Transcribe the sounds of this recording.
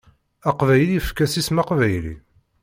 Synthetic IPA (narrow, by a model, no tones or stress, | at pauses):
æqvæjlifkːæsismɑqvæjlḭ